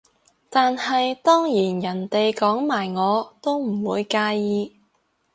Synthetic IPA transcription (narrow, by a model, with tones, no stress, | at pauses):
t̪aː˨nhɐ˨jt̪ɔː˥ŋjiː˨˩njɐ˨˩nt̪e˨jkɔː˨˥ŋmaː˨˩jŋɔː˨˧t̪o˥wm̩˨˩wuː˨˧jkaː˧jiː˧